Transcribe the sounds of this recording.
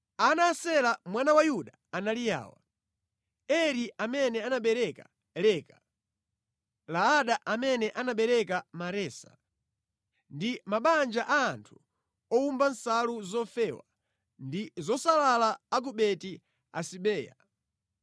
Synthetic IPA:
anasɛlamwanawajuɗa | analija̰ːwa̰ | ɛɾiʔamɛnɛanaɓɛɾɛka̰ | lɛːka | laːɗaʔamɛnɛʔanaɓɛɾɛkamaɾɛːsḁ̰ | ndimaɓand͡ʒaʔaːntʰu̥ | ɔumbansaluzɔfɛːwa̰ | ndizɔsalalaːɡuɓɛti | a̰siɓɛːja

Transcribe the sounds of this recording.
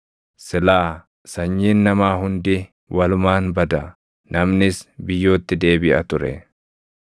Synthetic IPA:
sɪlaː | sɐɲːiːnːɐmaːɦʊnd̪ɪ | wɐlʊmaːnbɐd̪ɐ | nɐmnɪsbɪjːo̞ːt̪ːɪd̪e̞ːbɪʔɐt̪ʊɾɛ̰

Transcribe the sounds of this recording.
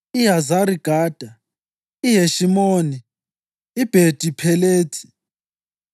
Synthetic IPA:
iɦazaɾiɡ̥ʱaːd̥ʱa | iɦeʃimoːniː | b̥ʱed̥ʱipʰɛleːtʰʼi̥

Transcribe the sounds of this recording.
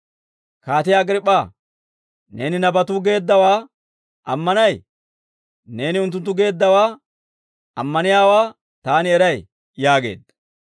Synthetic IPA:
kaːt̪ɪjɐɡɾɪpʼːaː | ne̞ːnɪnɐbɐt̪uːɡe̞ːd̪ːɐwaː | ʔɐmːɐnɐj | ne̞ːnɪʊnt̪ːʊnt̪ːʊɡe̞ːd̪ːɐwaː | ɐmːɐnɪjaːwaː | t̪aːnɪɛɾɐj | jaːɡe̞̰ːd̪ɐ

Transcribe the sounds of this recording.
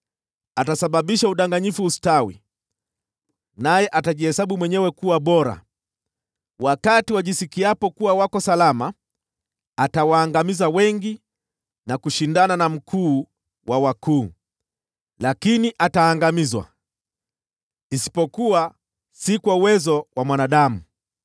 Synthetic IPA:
atasaɓaɓiʃauɗaŋɡaɲifuːstawḭ | najɛʔataʄihɛsaɓumwɛɲɛwɛkuwaɓɔɾa̰ | wakatiwaʄisikiapɔkuwawakɔsalamaː | tawaːŋɡamizawɛŋɡi | nakuʃindananam̩kʰuː | wʔawakuː | lakiniʔataːŋɡamizwa̰ | nisi̥pɔkuwa | sikwauwɛzɔwʔamwanaɗamu

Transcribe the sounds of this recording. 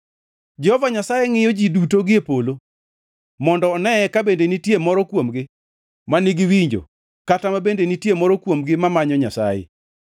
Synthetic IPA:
d͡ʒɛhɔvaɲasajeŋɪjɔd͡ʒidutoɡɪepolo | mɔndɔːnɛɛkabendenitjemɔɾɔkwomɡɪ | manɪɡɪwiɲd͡ʒo̰ | katamabendenitjemɔɾɔkwomɡɪmamaɲɔɲasa̰jḛ

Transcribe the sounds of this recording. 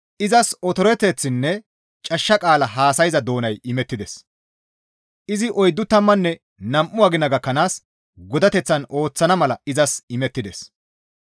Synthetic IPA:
ʔɪzɐsɔt̪ɔɾɛt̪ːɛt͡sːɪnːɛ | t͡ʃʼɐʃːɐkʼaːlɐɦaːsɐjzɐd̪o̞ːnɐjʔɪmɛt̪ːɪd̪ɛs | ʔɪzɪʔɔjd̪ːʊt̪ɐmːɐnːɛ | nɐmʔʊwaːɡɪnːɐɡɐkːɐnaːs | ɡɔd̪ɐt̪ɛt͡sːɐno̞ːt͡sːɐnɐmɐlɐɪzɐsɪmɛt̪ːɪd̪ɛs

